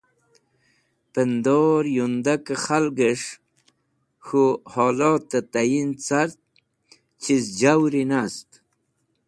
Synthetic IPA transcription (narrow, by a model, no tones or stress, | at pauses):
pənd̪oɾjund̪akaχalɡəʂ | xuhɔːlɔːt̪ːat̪ajint͡saɾt̪̚ | t͡ʃʰizd͡ʑawɾinast̪